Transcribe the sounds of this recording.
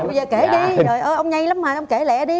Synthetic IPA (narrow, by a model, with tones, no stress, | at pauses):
ə˧zəː˨˩ke˧˩ɗi˧zo˨˩jʔəː˧˩ʔə˧wŋ͡mɲa˧jla˨˦mmaː˨˩ʔə˧wŋ͡mke˧˩lɛ̰˧˥ɗi˧